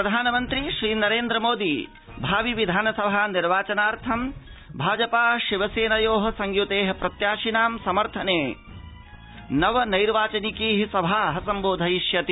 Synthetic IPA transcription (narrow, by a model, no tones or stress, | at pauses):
pɾɐd̪ʱaːnɐmɐnt̪ɾiʃɾiːnɐɾeːnd̪ɾɐmoːd̪i | bʱaːʋiʋid̪ʱaːnɐsɐbʱaːniɾʋaːt͡ʃɐnaːɾt̪ʰɐmbʱaːd͡ʒɐpaːʃiʋɐseːnɐjoːɦɐ̆sɐŋjut̪eːɦɐpɾɐt̪jaːʃinaːmsɐmɐɾt̪ʰɐneː | nɐʋɐnɐjɾʋaːt͡ʃɐnikiːɦisɐbʱaːɦɐsɐmboːd̪ʱɐjʃjɐt̪i